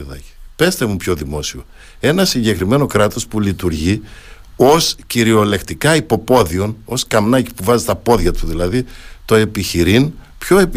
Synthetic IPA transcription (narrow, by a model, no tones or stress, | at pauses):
ðɐ̰ci̥pe̞st̪emupço̞ðimo̞sio | e̞nɐsiɲɟe̞kɾime̞no̞kɾɐt̪o̞spulit̪uɾʝi | o̞sciɾio̞le̞kt̪ikɐipo̞po̞ðio̞no̞skɐmnɐci̥puvɐzit̪ɐpo̞ðʝɐt̪uðilɐðit̪o̞e̞piçiɾin | pço̞ep